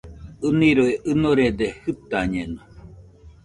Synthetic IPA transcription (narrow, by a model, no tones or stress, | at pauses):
ɨniɾoeʔɨnoɾed̪ehɨt̪aɲeno